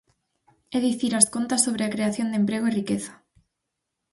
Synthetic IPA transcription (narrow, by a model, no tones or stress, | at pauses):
eðiθiɾaskont̪asoβ̞ɾeakɾeaθjond̪empɾeɣoirikeθḁ